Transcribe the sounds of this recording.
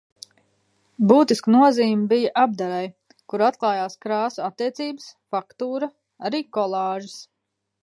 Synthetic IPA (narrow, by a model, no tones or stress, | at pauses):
buːt̪iskənuɔziːmbijaʔab̚d̪aɾaj | kuɾat̪̚klˠaːjaːskɾaːsuat̪ːiɛt̪siːbəsfakt̪uːɾɐ | aɾiːkɔlˠɑːʒɪs